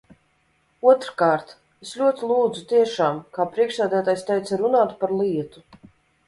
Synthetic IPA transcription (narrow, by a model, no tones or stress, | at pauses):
uɔt̪ɾkaːɾt̪ | eslʲuɔt̪ilˠuːd̪zut̪iɛʃaːmkaːpɾiɛkʃsæːd̪æːt̪aːjst̪ajt̪saɾunaːt̪paɾlˠiɛt̪u